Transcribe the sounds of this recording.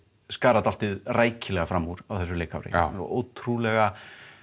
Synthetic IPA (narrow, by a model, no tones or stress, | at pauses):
skaːɾat̪al̥t̪ɪðraːjcɪlɛɣafɾamːuɾ̥awθɛsːʏleːka̰wɾɪ̰o̰ːwt̪ʰɾulɛɣa